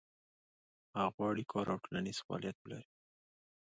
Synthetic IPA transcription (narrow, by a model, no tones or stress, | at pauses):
haɣwɑɽikʰɑɾawʈolaniz̥fɑɑ̰ljat̪̚bəlaɾi